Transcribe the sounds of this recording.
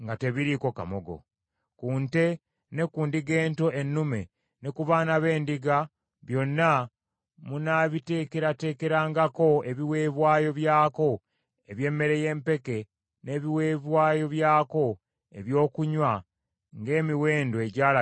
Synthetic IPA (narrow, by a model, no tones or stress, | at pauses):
ŋɡate̞βiɾiko̞ka̰moɡo̞̰ | kuːnte̞ | ne̞kuːndiɡe̞ːnto̞ʔenːume̞ | ne̞kuβanaβe̞ːndiɡa | βjo̞nːa | munaβite̞ke̞ɾate̞ːke̞ɾaːŋɡako̞e̞βiwe̞ːβwaːjo̞βjaːko̞ | e̞βje̞ːmːe̞ɾe̞je̞ːmpe̞ke̞ | ne̞βiweːβwaːjo̞βjaːko̞ | e̞βjo̞ːkuɲwa | ŋɡe̞ːmiwe̞ːndoeɟaːla